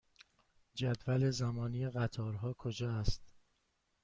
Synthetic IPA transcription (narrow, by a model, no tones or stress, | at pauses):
d͡ʒæd̪væle̞zæmɒːniːjeɣæt̪ʰɒːɾɦɒːkʰod͡ʒɒːæst̪